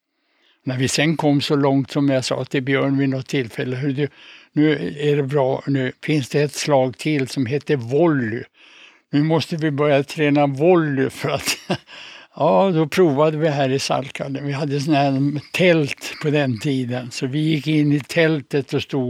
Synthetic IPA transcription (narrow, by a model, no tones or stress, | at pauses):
næɾvɪsɛnkʰɔmːsɔlɔŋt̪sɔmjasɑ̰ːt̪ʰɪlbjœːɳvɪnɔt̪ʰːɪlfɛlːəɦʉd̪ʉnʉ̟ːæɖɛbɾɑːnʉ̟ːfɪnsd̪ɛːt̪slɑːɡ̚t̪ʰɪlsɔmɦeːt̪ːəvɔlːʏ̰ | nʉ̟ːmɔst̪əvɪbœɾjat̪ʰɾɛːnavɔlːʏfœɾat̪ | jɑːd̪ɔpʰɾuːvad̪əvɪɦæːɾɪsa̰lkʰaləvɪɦad̪ːəsɔnhæt̪ʰɛlt̪pʰɔd̪ɛnt̪ʰiːd̪ənsɔvɪjɪkːɪnːɪt̪ʰɛlt̪ət̪ɔst̪uː